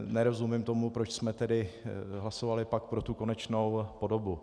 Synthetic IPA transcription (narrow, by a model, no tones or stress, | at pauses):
nɛɾo̞zumɪmt̪o̞mupɾo̞t͡ʃsmɛt̪ɛdɪɦlaso̞valɪpak̚pɾo̞t̪uko̞nɛt͡ʃno̞wpo̞do̞bu